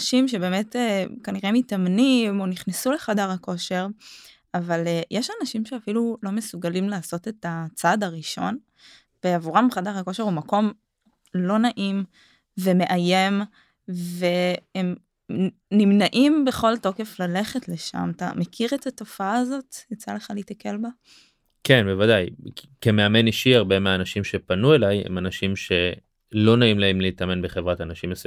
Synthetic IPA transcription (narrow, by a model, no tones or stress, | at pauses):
ʃimʃe̞be̞ːme̞tekaniʁemitamnimo̞niχnesule̞χadaʁhako̞ʃe̞ʁ | avalejeʃanaʃimʃeafilulo̞mesuɡalimlaːso̞te̞tat͡sadaʁiʃo̞̰n | b̥eavuʁamχadaʁako̞ʃe̞ʁumako̞m | lo̞naʔim | ve̞me̞ʔaje̞m | ve̞em | nimnaʔimbe̞χo̞lto̞ke̞flale̞χetle̞ʃa̰mta̰mekʰiʁet̪ato̞faaːzo̞tjat͡sa̰le̞χaleitake̞lba | ke̞nbevadaj | keme̞ame̞niʃiaʁbemeaːnaʃimʃe̞panue̞lajhḛmanaʃimʃe̞ | lo̞naimlaemleitame̞nbeχevʁatanaʃimas